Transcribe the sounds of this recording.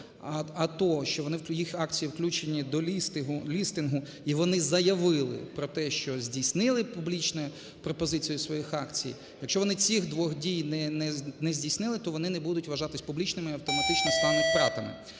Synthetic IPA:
ɐt̪ɔɦɔʃt͡ʃɔʋɔnɪwjixɑkt͡sʲijiwklʲut͡ʃenʲːid̪ɔlʲist̪ɪɦʊlʲist̪ɪnɦʊ | iʋɔnɪzɐjɐʋɪlˠɪ̰pɾɔt̪ɛʃt͡ʃɔzʲdʲisʲnɪlˠɪpublʲit͡ʃnɔjʊ | pɾɔpɔzɪt͡sʲijʊsʋɔjixɑkt͡sʲḭj | jɐkʃt͡ʃɔʋɔnɪt͡sʲixd̪ʋɔxdʲijnɛnɛnɛzʲdʲisnɪlˠɪt̪ɔʋɔnɪnɛbud̪ʊtʲʋɐʒɑt̪ɪsʲpublʲit͡ʃnɪmɪiɐwt̪ɔmɐt̪ɪt͡ʃnɔst̪ɑmɪt̪ɾɑt̪ɐmɪ̰

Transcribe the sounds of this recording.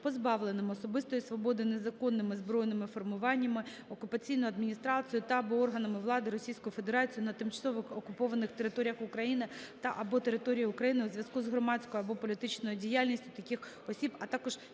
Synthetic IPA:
pɔzbɑʋlˠenɪmɔsɔbɪst̪ɔjʊsʋɔbɔd̪ɪnezɐkɔnːɪmɪzbɾɔjnɪmɪfɔrmʊʋɑnʲːɐmɪ | ɔkʊpɐt͡sʲijnʊjʊɐd̪mʲinʲist̪ɾɑt͡sʲijʊt̪ɐːbɔɔrɦɐnɐmɪʋlˠɑd̪ɪɾɔsʲijsʲkɔjʊfe̞d̪eɾɑt͡sʲijʊnɐt̪ɪmt͡ʃɐsɔʋɪxɔkʊpɔʋɐnɪxt̪eɾɪt̪oɾʲjɐxʊkɾɐjinɪt̪ɐʔɐbɔt̪eɾɪt̪ɔɾʲijʊkɾɐjinɪuzʲʋʲjɐskuzɦɾɔmɑt͡sʲkɔjʊɐbɔpɔlʲit̪ɪt͡ʃnɔjʊdʲijalʲnʲisʲtʲʊt̪ɐkʲɪx | ɔsʲibɐt̪ɑkɔʒ̥

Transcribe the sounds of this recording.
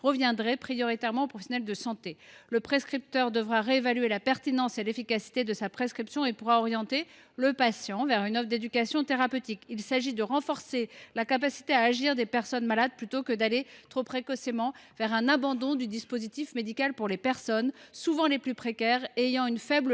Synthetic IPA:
ʁəvjɛ̃d̪ʁɛpχijɔʁit̪ɛʁmɑ̃opχɔfesjɔnɛld̪əsɑ̃t̪eləpχeskχip̚t̪œʁd̪əvʁaʁeevalɥelapɛʁt̪inɑ̃selefikasi̥t̪ed̪əsapχeskχipsjɔ̃epuʁaɔʁjɑ̃t̪e | ləpasjɑ̃vɛʁynɔfd̪ed̪ykasjɔ̃t̪eʁapøt̪ikilsaʒid̪əʁɑ̃fɔʁselakapasi̥t̪eaːʒiʁd̪epɛʁsɔnmalad̪̚plyt̪okəd̪alet̪χopχekɔsemɑ̃vɛʁɛ̃nabɑ̃d̪ɔ̃d̪yd̪ispozit̪ifmed̪ikalpuʁlepɛʁsɔnsuvɑ̃leplypχekʲɛʁejɑ̃ynfɛbl

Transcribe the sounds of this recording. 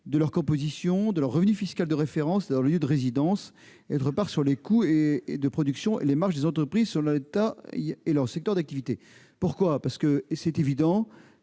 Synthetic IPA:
d̪əlœʁkɔ̃pozisjɔ̃d̪əlœʁːəvnyfiskald̪əʁefeʁɑ̃sd̪ɑ̃ləljød̪əʁezid̪ɑ̃s | ot̪χəpaʁsyʁlekued̪əpχɔd̪yksjɔ̃ʔḛlemaʁʃd̪ezɑ̃t̪χəpχizsyʁlet̪aelœʁsɛk̚t̪œʁd̪ak̚t̪ivit̪e | puʁkwapaʁsə̥kəsɛt̪evid̪ɑ̃

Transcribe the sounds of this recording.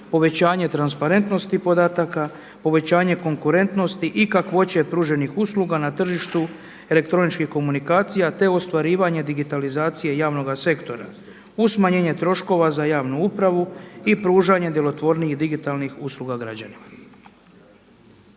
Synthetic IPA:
po̞ʋe̞t͡ɕaːɲe̞t̪ɾanspaɾe̞nt̪no̞st̪ipo̞d̪aːt̪aka | po̞ʋe̞t͡ɕaːɲe̞ko̞ŋkuɾe̞nt̪no̞st̪iʔikakʋo̞t͡ɕepɾuːʒe̞nixusluːɡanat̪r̩ʒiʃt̪u | e̞le̞kt̪ɾo̞nit͡ʃkixko̞munikaːt̪sijat̪e̞o̞st̪ʋaɾiːʋaɲe̞d̪iɡit̪alizaːt̪sije̞jaːʋno̞ɡase̞kt̪o̞ɾa̰ | usmaɲe̞ːɲe̞t̪ɾo̞ʃko̞ʋazajaːʋnuupɾaʋuipɾuːʒaɲed̪jelo̞t̪ʋo̞ɾniiɣd̪iɡit̪alnixusluɡaɡɾa̰d͡ʑanima

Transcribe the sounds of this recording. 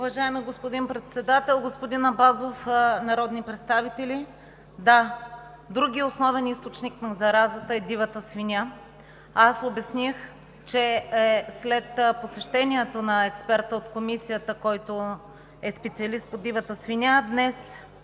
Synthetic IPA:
uvɐʒaɛmiɡospod̪inpɾɛt̪sɛd̪at̪ɛlˠɡospod̪inɐbazofnɐɾɔd̪nipɾɛt̪st̪avit̪ɛli | d̪a | d̪ɾuɡʲiosnɔvɛnist̪ot͡ʃniknɐzɐɾazət̪əɛd̪ivɐt̪əsvinʲa | asobɛsnix | t͡ʃɛɛslɛt̪posɛʃt̪ɛniɛt̪onɐɛkspɛɾt̪əot̪komisijət̪əkɔjt̪o | ɛspɛt̪siɐlist̪̚pod̪ivət̪əsvinʲad̪nɛs

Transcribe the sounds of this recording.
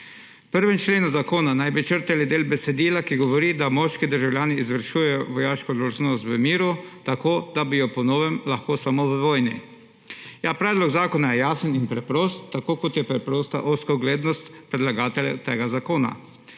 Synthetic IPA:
pəɾʋɛnt͡ʃleːnuzakoːnanajbit͡ʃəɾt̪ɛlid̪eːlbɛsɛd̪iːlakiɡɔʋɔɾid̪amɔʃkid̪əɾʒawlʲjaːniːzʋəɾʃuːjɛjɔʋɔjaːʃkɔd̪oʒnɔst̪ʋəmiːɾut̪akoːd̪abijɔpɔnoːʋɛmlaxkoːsamoʋəʋoːjnḭ | japɾɛːd̪lɔɡzaːkɔnajɛjaːsəninpɾɛpɾoːst̪ːakoːkɔt̪jɛpɾɛpɾoːst̪a̰ʔoskɔɡleːd̪nɔst̪pɾɛd̪laɡaːt̪ɛljat̪eːɡazakoːna̰

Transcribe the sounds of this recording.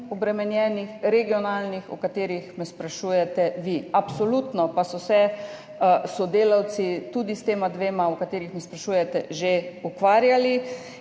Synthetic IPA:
ɔbɾɛmɛnjɛːnixɾɛɡiɔnaːlnixɔ̰kat̪eːɾixmɛspɾaʃuːjɛt̪ɛʋiapsɔlut̪nɔpasɔsɛ | sɔd̪eːlaw̪sit̪uːd̪ist̪eːmad̪ʋeːmaɔkat̪eːɾixmɛspɾaʃuːjɛt̪ɛ̰ʒeukʋaːɾjali

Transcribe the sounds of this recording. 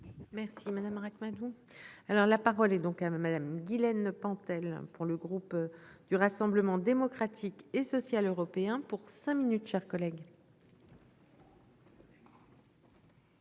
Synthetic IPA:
mɛʁsimad̪amʁakmad̪u | alɔʁlapaʁɔlɛd̪ɔ̃kamad̪amɡʲilɛnpɑ̃t̪ɛl̰puʁləɡʁupd̪̥yʁasɑ̃bləmɑ̃d̪emɔkχat̪ʰikesɔsjaløʁɔpeɛ̃puʁsɛ̃minyt̪ʃɛʁkɔlɛɡ

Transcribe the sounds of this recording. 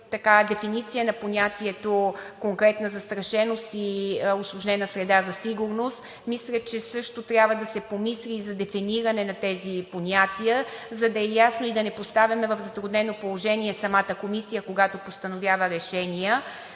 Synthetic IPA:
t̪ɐkad̪ɛfinit̪sijənɐponʲat̪ʲiɛt̪okoŋkɾɛt̪nəzɐst̪ɾɐʃɛnost̪ioslˠʊʒnɛnəsɾɛd̪azɐsiɡʊɾnost̪ | mislʲət͡ʃɛsɤʃt̪ot̪ɾʲjabvəd̪ɐsɛpomislʲiːzɐd̪ɛfiniɾɐnɛnɐt̪ɛziponʲat̪ʲijəzɐd̪ɐɛjasnoid̪ɐnɛpost̪avʲjɐmɛvɐvzɐt̪ɾʊd̪nɛnopolˠoʒɛniɛsɐmat̪əkomisijəkoɡat̪opost̪ɐnovʲjavəɾɛʃɛnijə

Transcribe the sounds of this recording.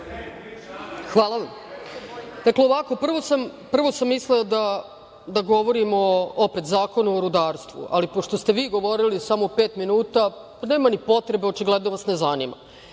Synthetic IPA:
xʋaːlˠaʋam | d̪̥akleoʋako̞pr̩ʋo̞sampr̩ʋo̞samːisleod̪a | d̪aɡo̞ʋo̞ɾimoope̞t̪zaːko̞nuoɾud̪aːɾst̪ʋṵʔa̰lipoʃt̪o̞st̪e̞ʋiːɡo̞ʋo̞ɾilisamopeːt̪minuːt̪a | neːmanipo̞t̪ɾebeo̞t͡ʃiɡled̪noʋasne̞zanḭma̰

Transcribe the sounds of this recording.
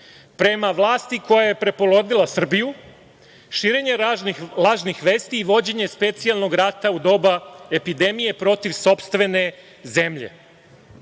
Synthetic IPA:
pɾe̞maʋlˠaːst̪iko̞jaje̞pɾe̞po̞lˠo̞d̪ilˠasr̩biju | ʃiːɾe̞ɲe̞lˠaːʒnixʋe̞ːst̪iːʋo̞d͡ʑe̞ɲe̞spe̞t̪sialˠno̞ɡɾat̪aud̪o̞ːbae̞pid̪e̞mije̞pɾo̞t̪iʋso̞pst̪ʋe̞ne̞ | ze̞mʎe̞̰

